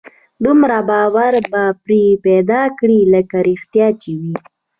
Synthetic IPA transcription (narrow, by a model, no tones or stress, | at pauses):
d̪umɾabɑwaɾbapɾipɛd̪ɑkɽiləkaɾixt̪jɑt͡ʃewi